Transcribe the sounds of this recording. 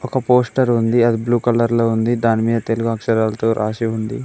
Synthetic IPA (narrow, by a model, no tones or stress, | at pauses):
ɔkɐpoːsʈɐɾund̪iɐd̪ibluːkɐlɐɾlo̞ːund̪id̪aːnimiːd̪ɐt̪e̞luɡuɐkʂɐɾaːlɐt̪oːɾʔa̰ːʃiund̪ḭ